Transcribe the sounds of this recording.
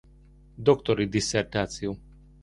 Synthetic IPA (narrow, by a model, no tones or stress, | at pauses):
d̪okt̪oɾid̪isert̪at̪siu